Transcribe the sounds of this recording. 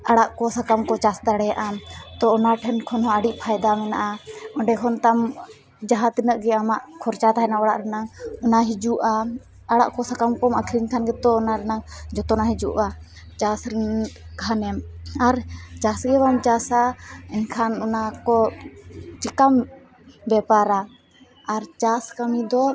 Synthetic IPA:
aɽaʔkɔsakamkɔt͡ʃasd̪aɽɛjaʔamt̪ɔɔnaʈʰɛnkʰɔnɦɔəɖiʔpʰajd̪amɛnaʔaɔɳɖɛkʰɔnt̪am | d͡ʒaɦat̪inəʔɡɛamaʔkʰɔɾt͡ʃat̪aɦɛnaɔɽaʔɾɛnaŋɔnaɦid͡ʒuʔa | aɽaʔkɔsakamkɔmakʰɾiɲkʰanɡɛt̪ɔːnaɾɛnaŋd͡ʒɔt̪ɔnaɦid͡ʒuʔa | t͡ʃasɾiɡʱanɛmaɾt͡ʃasɡɛbamt͡ʃasaɛɲkʰanɔnakɔ | t͡ʃikam | bɛpaɾaː | ɾt͡ʃaskamid̪ɔ

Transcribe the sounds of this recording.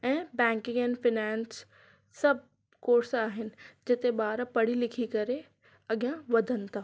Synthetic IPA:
ɛ̃ːbɛ̃ːŋkɪ̃ŋɛ̃ːnfɪnɛːnsː | ɐb̚ʱ | koːɾsaːɦɪnɪ̆d͡ʑɪt̪eɓaːɾpɐɽ̤ilɪkʰikɐɾe | ɐɠijãʋɐd̪ʱənɪ̆t̪ʰaː

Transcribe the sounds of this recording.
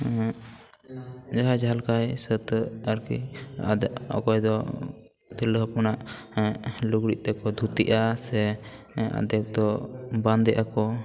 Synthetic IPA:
d͡ʒaɦad͡ʒalkajsət̪əɾkḭa̰d̪ɛɔ̰kɔjd̪ɔ | t̪ɛləɦpɔnaʔ | luɡɾiʔ̪̚ˀt̪ɛkɔd̪ʱut̪iʔasɛ | a̰d̪ɛk̚d̪ɔband̪ɛʔakɔ

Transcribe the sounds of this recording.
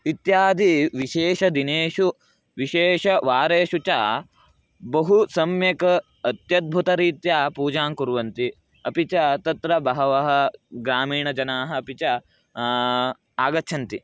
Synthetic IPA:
it̪jaːd̪ʱiʋiʃeːʃɐd̪ineːʃu | ʋiʃeːʃɐʋaːɾeːʃut͡ʃaː | bɐɦusɐmjɐkɐ | ɐt̪jɐd̪̚bʱut̪ɐɾiːt̪jaːpuːd͡ʒaːŋkuɾʋɐnt̪i | ɐpit͡ʃɐt̪ɐt̪ɾɐbɐɦɐʋɐɦɐ̆ɡɾaːmiːɳɐd͡ʒɐnaːɦɐ̆ːpit͡ʃɐ | aːɡɐtːʃʰɐnt̪i

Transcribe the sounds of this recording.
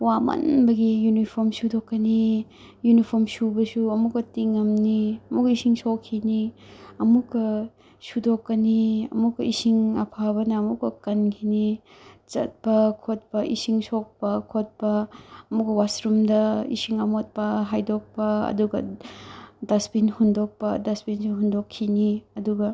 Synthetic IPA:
wamɐ̰nbɐɡijunipʰoɾmsudokːɐni | junipʰoɾmsubɐsuɐmukːɐtiŋːɐmniɐmukɐisiŋsokʰːiniɐmukːɐ | sudokːɐniɐ̰mukːɐisiŋɐpʰabɐnɐːmukɐkɐnkʰini | t͡ʃɐ̰t̚pɐkʰot̚pɐʔisiŋsok̚pɐkʰot̚pɐɐmukːɐwasɾumdɐḭsiŋɐmot̚pɐɦajdok̚pɐɐ̰duɡɐ̰ | dɐspinhundok̚pɐdɐspinsuɦundokʰːiniɐduɡɐ

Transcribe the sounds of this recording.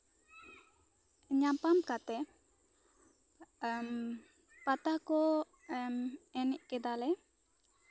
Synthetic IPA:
ɲapamkat̪ɛ | m | pat̪akɔ | mɛnɛʔkɛd̪alɛ

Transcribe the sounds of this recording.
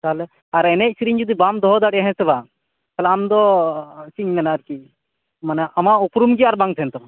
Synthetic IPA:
salɛ | aɾɛnɛc̚sɾiɲd͡ʒud̪ibamd̪ɔɦɔd̪aɽɛɦɛ̃sɛba | kʰɛlaːmd̪ɔsiɲmɛnaɾki | manɛʔamaupɾumɡiaɾbãŋt̪ʰɛnt̪ɔ

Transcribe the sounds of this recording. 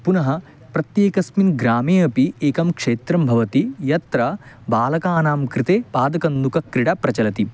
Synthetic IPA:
punɐɦɐ̆ | pɾɐt̪jeːkɐsminɡɾaːmeːɐpieːkɐmkʂeːt̪ɾɐmbʱɐʋɐt̪ijɐt̪ɾɐ | baːlɐkaːnaːmkɾit̪eːpaːd̪ɐkɐnd̪ukɐkɾiɽɐpɾɐt͡ʃɐlɐt̪i

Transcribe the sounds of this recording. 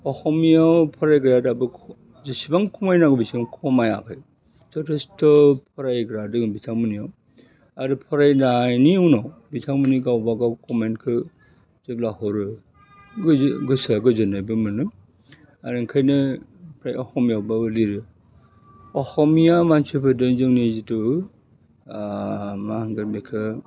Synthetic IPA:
ɔhɔmijawpʰɔɾajɡɯɾadabɯkʰ | zɯsibaŋkʰɔmajnaɡɯbisibaŋkʰɔmaja̰kʰɯj | zɔtʰestɔpʰɔɾajɡɯɾadɯŋbitʰamɯnijaw | aɾɯpʰɔɾajnajniɯwnɔbitʰamɯniɡawbaɡawkɔmenkʰɯ | zɯp̚lahɔɾɯ | ɡɡɯsaɡɯzɯnajbɯmɯnɯ | aɾɯŋkʰajnɯpʰɾajɔhɔmijawbaɯliɾɯ | ɔhɔmijamansɯpʰɯdɯzɯŋnizitɯ | maŋɡɯmekʰɯ

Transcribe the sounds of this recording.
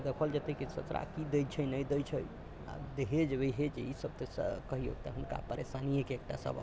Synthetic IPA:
d̪ekʰəld͡ʒət̪ekisə̰t͡ʃɾa̰kid̪ejt͡ʃʰənəjd̪ət͡ʃʰəj | a̰d̪eɦed͡ʒebejɦed͡ʒeisəb̚t̪əsə̰kəɦio̰t̪aɦunka̰pəɾesanijekeek̚ʈa̰sə̰ba̰

